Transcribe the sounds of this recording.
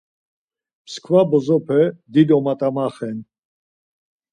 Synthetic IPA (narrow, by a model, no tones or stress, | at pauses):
pʰskʰvabɔzɔpʰɛd̪id̪ɔmat̪ʼamaχɛn